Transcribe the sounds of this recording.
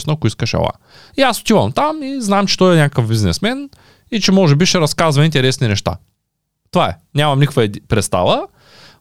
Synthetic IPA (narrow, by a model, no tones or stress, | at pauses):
snəkʊiskəʃɐ̰lˠa̰ | iasʊ̥t̪ivɐmt̪amiznamt͡ʃɛ̥t̪ɔjɛnʲakəkəvbiznɛ̰smɛn | it͡ʃɛmɔʒɛbiʃɛɾɐskazvɐint̪ɛɾɛsninɛʃt̪a̰ | t̪ovaɛ̰nʲamɐmnikəkvəpɾɛt̪st̪a̰lˠə